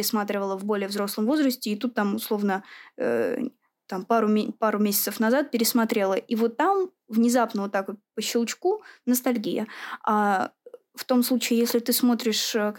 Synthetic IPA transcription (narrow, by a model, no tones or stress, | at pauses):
ɾʲɪsmat̪ɾʲɪvəlˠəvbo̞lʲɪjəvzɾo̞slˠəmvo̞zɾəsʲtʲɪːt̪ut̪ːamʊslˠo̞vnəə̰ | t̪ampaɾʊpaɾʊmʲesʲɪ̥t̪səfnɐzat̪̚pʲɪɾʲɪsmɐt̪ɾʲe̞lˠəʔivo̞t̪ːam | vnʲɪzapnəvot̪ːakopəɕːɪlˠt͡ɕkunəs̬t̪ɐlʲɡʲijə̰a | ft̪o̞mslˠut͡ɕɪɪjesʲlʲɪt̪ɨsmo̞t̪ɾʲɪʂ